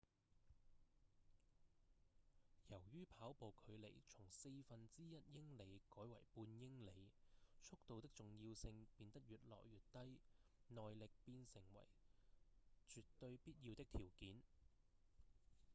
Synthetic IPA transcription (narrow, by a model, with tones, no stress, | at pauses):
jɐ˨˩wjyː˥pʰaː˨˥wpo˨˧wkʰɵ˨˧ɥle˨˩jt͡ʃʰʊ˨˩ŋse˧jfɐ˨nt͡siː˥jɐ˥t̚jɪ˥ŋle˨˧jkɔː˨˥jwɐ̰˨˩jpuː˧njɪ˥ŋle˨˧jt͡ʃʰʊ˥k̚t̪o˨˧wt̪ɪ˥k̚t͡sʊ˨ŋjiː˧wsɪ˧ŋpiː˧nt̪ɐ˥k̚jyː˨t̚lɔ̰ː˨˩kjyː˨˩t̚t̪ɐ˥jnɔː˨jlɪ˨k̚piː˧nsɪ˨˩ŋwɐ̰˨˩j | t͡ʃyː˨tt̪ːɵ˧ɥpiː˥t̚ji˧wt̪ɪ˥k̚t̪ʰiː˨˩wkiː˨˥n